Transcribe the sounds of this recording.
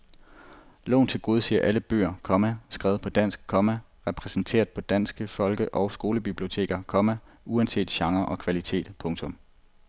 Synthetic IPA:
lɔ̰ːnt͡sʰe̝lɡ̥o̝ːð̞ˠsiɐʔæləb̥ø̰ːɐkʰɒ̽mæsɡ̥ʁɛːʊð̞̩ˠpʰɒ̽d̥æn̰sɡ̥̚kʰɒ̽mæ | ʁɛpʰʁɛsn̩t͡sʰe̝̰ːɐðˠpʰɒ̽d̥æn̰sɡ̥əfɒ̽lɡ̥əʔɒ̽ʊsɡ̥o̝ːləb̥ib̥lio̝t͡sʰe̝̰ːɡ̥ɐkʰɒ̽mæ | ʔuænse̝̰ːd̥ɕɑ̈ŋɐʔɒ̽kʰʋælit͡sʰe̝̰ːd̥pʰɔ̽ŋt͡sʰɔ̽m

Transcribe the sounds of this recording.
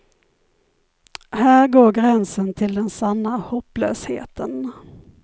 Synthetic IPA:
hæːɾɡoːɾɡɾɛnsənt̪ʰɪld̪ɛnsanːahɔpːlø̰ːshḛːt̪ʰən

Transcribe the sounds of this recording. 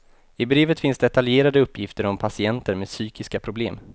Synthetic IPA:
ɪbɾeːvət̪fɪnsd̪ɛt̪aljeːɾad̪əɵpːjɪft̪əɾɔmpʰasɪɛnt̪əɾmeːd̪syːkɪskapʰɾʊblḛːm

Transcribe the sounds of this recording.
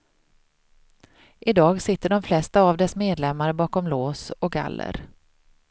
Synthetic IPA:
ʔɪd̪ɑːɡsɪt̪ːəɖɔmflɛst̪aːvd̪ɛsmeːd̪lɛmːaɾəbɑːkɔmloːsɔɡa̰lːə̰ɾ

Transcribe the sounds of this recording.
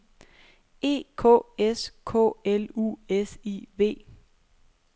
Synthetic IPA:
e̝̰ːkʰɔ̰ːeskʰɔ̰ːelṵːesḭʋe̝̰ː

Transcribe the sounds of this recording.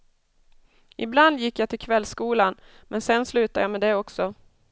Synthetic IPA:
ʔɪbland̪jɪkːjat̪ʰɪlkʰvɛlːskuːlan | mʔɛnsɛnslʉ̟ːt̪ajamɛːd̪ɛɔksɔ

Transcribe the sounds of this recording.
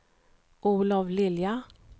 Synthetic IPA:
ʔuːlaʋlɪlja

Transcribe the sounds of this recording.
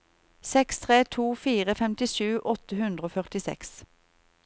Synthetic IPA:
sɛkst̪ʰʁeːt̪ʰuːfiːʁəfɛmt̪ɪʃʉːʔɔt̪əhʉnd̪ʁəoːfœʁt̪ɪsɛ̰ks

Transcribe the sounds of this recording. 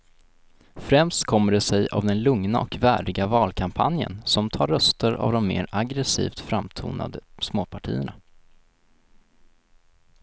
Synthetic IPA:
fɾɛmst̪kʰɔmːəɖɛsɛja̰vd̪ɛnlɵŋnaʔɔkvæːɖɪɡavɑːlkʰampʰa̰njə̰nsɔmt̪ʰɑːɾːœst̪əɾa̰vd̪ɔmːḛːɾaɡɾɛsḭːft̪fɾamt̪ʰṵːna̰d̪əsmoːpʰaʈʰḭːəɳa

